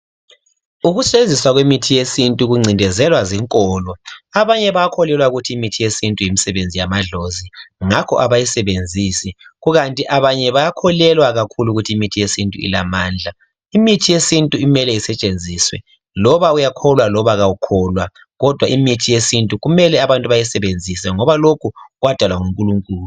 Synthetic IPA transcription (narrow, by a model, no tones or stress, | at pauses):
uɣuseziswaɣwemitʰijesintʼuɣuŋ͡ǀʱindʱɛzɛlwaziŋkʼɔlɔaβaɲɛβajakʰɔlɛlwauɣutʰiːmitʰijesintʼujimisɛβend͡zʱijamaɮoziŋakʰɔ̰ʔaβajisɛβend͡zʱisiɣuɣantʼiʔaβaɲɛβajakʰɔlɛlwaɣakʰuluɣutʰiimitʰijesintʼṵḭlamaːnd͡ɮʱa | imitʰijesintʼuimɛlɛisɛt͡ʃʼend͡zʱiswɛ̰ | lɔβaujakʰɔlwalɔβaɣaukʰɔlwa | ɣɔd̥ʱwaʔimitʰijesintʼuɣumɛlɛaβantʼuβajisɛβend͡zʱisɛŋɔβalokʰuɣwad̥ʱalwaŋuŋkʼuluŋkʼuːlu